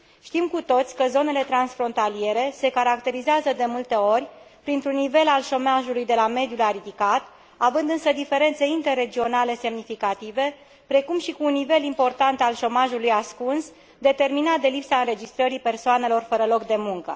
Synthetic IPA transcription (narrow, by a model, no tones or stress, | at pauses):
ʃt̪imkut̪o̞t̪sʲkəzo̞ne̞le̞t̪ɾansfɾo̞nt̪alie̞ɾe̞se̞kaɾakt̪e̞ɾizeazəd̪e̞mult̪e̞o̞rʲ | pɾint̪ɾunːive̞lalʃo̞maʒulujd̪e̞lame̞d̪ijulaɾid̪ikat̪ | avɨnd̪ɨnsəd̪ife̞ɾe̞nt̪se̞int̪e̞rːe̞d͡ʒio̞nale̞se̞mnifikat̪ive̞ | pɾe̞kumʃikuːnːive̞limpo̞rt̪ant̪alʃo̞maʒulujaskuns | d̪e̞t̪e̞rminat̪̚d̪e̞lipsaɨnɾe̞d͡ʒist̪ɾəɾipe̞rsoane̞lo̞rfəɾəlo̞kd̪e̞muŋkə̰